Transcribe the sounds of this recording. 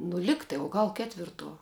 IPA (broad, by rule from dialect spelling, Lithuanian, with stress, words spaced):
nʊ ˈlʲɪktɐɪ oː ˈɡɐlˠ ˈkʲæːtʲʋʲɪrˌtuɔ